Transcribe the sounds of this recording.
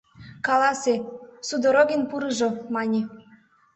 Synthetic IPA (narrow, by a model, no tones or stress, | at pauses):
kɑlɑsesud̪oɾoɣʲinpuɾɤʒŏmɑnʲe